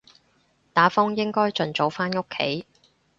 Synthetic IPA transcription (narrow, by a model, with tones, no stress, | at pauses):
t̪aː˨˥fʊ˥ŋjɪ˥ŋkɔː˥jt͡ʃɵ˨nt͡so˨˧wfaː˥nŋo˥kʰːḛ˨˥˦j